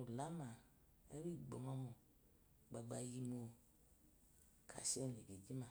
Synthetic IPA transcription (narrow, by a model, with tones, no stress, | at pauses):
u˨la˦ma˨ | e˦ɾi˦˨ɡ͡bo˨mo˦mo˨ | ɡ͡ba˨ɡ͡ba˦˧ji˧mo˧ | kʰa̰˨ʃe˦˨ni˨bi˨d͡ʒi˦ma˨